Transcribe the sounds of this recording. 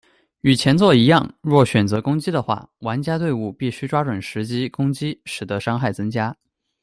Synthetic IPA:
y˨˩t͡ɕʰjɛ˧˥nt͡swɔ˥˩i˧˥jɑ˥˧ŋɻwɔ˥˩ɕɥɛ˨˩nt͡sɤ˧˥kʊ˥ŋt͡ɕi˥d̪ə˨xwa̰˥˩wa˧˥nt͡ɕja˥t̪we˥˧ɪu˥˧pi˥˩ɕy˥ʈ͡ʂwa˥ʈ͡ʂwə˨˩nʂɻ̩˧˥t͡ɕi˥kʊ˥ŋt͡ɕi˥ʂɻ̩˨˩d̪ə˧˥ʂɑ˥ŋxa˥˩ɪt͡sɤ˥ŋt͡ɕja˥

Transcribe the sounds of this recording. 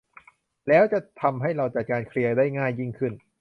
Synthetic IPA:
lɛː˦˥wt͡ɕa˨˩t̪ʰa˧mɦa˥˩jɾa˧wt͡ɕa˨˩t̪̚kaː˧nkʰɾi˧ɐdaː˥˩jŋaː˥˩jːi˥˩ŋkʰɯ˥˩n

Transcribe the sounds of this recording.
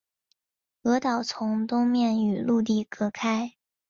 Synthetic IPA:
ɤ˧˥t̪ɑ˨˩ʊt͡sʰʊ˧˥ŋt̪ʊ˥ŋmjɛ˥˩ny˨˩lu˥˧t̪̬i˥˩kɤ˧˥kʰa˥ɪ

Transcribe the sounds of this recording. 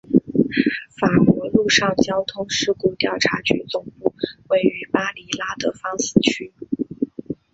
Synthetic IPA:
fa˨˩kwɔ˧˥lu˥˧ʂɑ˥˩ŋt͡ɕjɑ˥ʊt̪ʰʊ˥ŋʂɻ̩˥ku˧˥t̪jɑ˥˩ʊʈ͡ʂʰa˧˥t͡ɕy̰˧˥t͡sʊ˨˩ŋpu˥˩we˥˩ɪy˧˥pa˥li˧˥la˥d̪ə˨fɑ˥ŋs̩˥˧˩t͡ɕʰy˥

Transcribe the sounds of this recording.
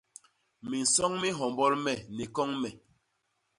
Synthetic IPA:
mmi˨n̩˨sɔ˦ŋmi˦ɦɔ˨mbɔ˦lmɛ˨nɛ˨kɔ˦ŋmɛ˨

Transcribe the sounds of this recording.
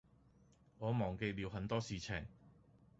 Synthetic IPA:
ŋɔː˨˧mɔː˨˩ŋke˧jliː˨˧wɦɐ˨˥nt̪ɔː˥siː˨t͡sʰɪ˨˩ŋ

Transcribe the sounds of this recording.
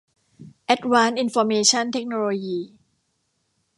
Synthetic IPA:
ʔɛ˦˥t̪̚waː˦˥nʔi˧nfɔː˧meː˧t͡ɕʰa˥˩nt̪ʰe˦˥k̚noː˧loː˧jiː˧

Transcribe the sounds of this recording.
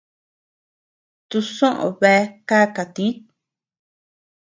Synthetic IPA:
t̪u˧sõ˦ʔõ̰˨βe˧˦ka˦ka˨t̪i˦t̪

